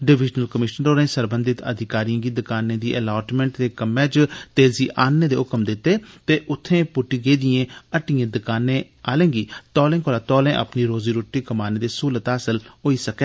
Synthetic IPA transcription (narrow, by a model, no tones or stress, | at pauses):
ɖɪʋɪd͡ʒnəlkəmɪʃənɾoːɾẽːsəɾbə̃nd̪ɪt̪ə̰d̪ʱɪkaːɾijãːɡiːd̪ɪkaːnẽːd̪iːʔɛlaːʈmɛ̃ːɳʈt̪eːkəmːɛ̃ːt͡ʃt̪eːziːʔaːnːeːd̪eːʊkəmd̪ɪt̪ːeːt̪eːʔʊt̪ʰːẽːpʊʈːiːɡeːd̪ɪjẽːəʈijẽːd̪əkaːnːẽː | aːlẽːɡiːt̪ɔːlẽːkoːlaːt̪ɔːlẽːʔə̰pniːɾoːziːɾoːʈːiːkəmaːneːd̪eːsuːlət̪aːsəlɦoːiːsəkeː